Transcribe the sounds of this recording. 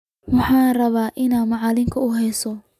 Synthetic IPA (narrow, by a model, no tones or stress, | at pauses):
wɑħɑːnrɐβaːʔɪnaːmʊʕɑːlɪŋkʰɐʊɦɛjsɔ